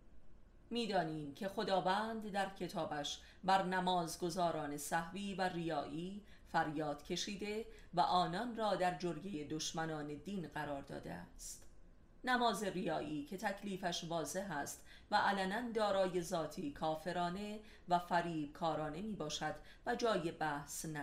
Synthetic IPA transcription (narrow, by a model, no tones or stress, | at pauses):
miːd̪ɒːniːmcʰe̞xo̞d̪ɒːvænd̪d̪æɾcʰe̞t̪ʰɒːbæʃ | bæɾnæmɒːzɡo̞zɒːɾɒːne̞sæhviːværijɒːʔiː | fæɾjɒːd̪̥cʰe̞ʃiːd̪e̞væʔɒːnɒnrɒːd̪æɾd͡ʒoɾje̞jed̪oʃmænɒːne̞d̪iːnɢæɾɒːɾd̪ɒ̰ːd̪e̞̰æ̰st̪ | næmɒːze̞rijɒːʔiːcʰe̞t̪ʰæcʰliːfæʃvɒːze̞ɦæst̪ | væʔælænænd̪ɒːɾɒːje̞zɒːt̪ʰiːkʰɒːfe̞ɾɒːne̞ | væfæɾiːb̥̚kʰɒːɾɒːne̞miːbɒːʃæd̪̥ | væd͡ʒɒːje̞bæhsnæ